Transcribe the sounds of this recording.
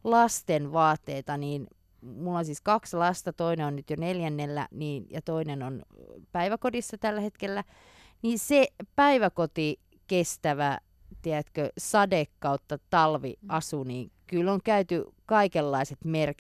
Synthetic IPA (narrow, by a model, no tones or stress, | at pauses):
lɑst̪enʋɑːt̪ːeːt̪ɑniːn | mulːonsiːskɑkslɑst̪ɑt̪oineonnyt̪joneljænːelːæ̰niːnjɑt̪oinenonpæiʋækodisːɑt̪ælːæhet̪kelːæ | niːnsepæiʋækot̪i | kest̪æʋæ | t̪iæt̪køsɑdekːɑut̪ːɑt̪ɑlʋḭɑsuniːŋkylːoŋkæyt̪ykɑikelːɑiset̪merk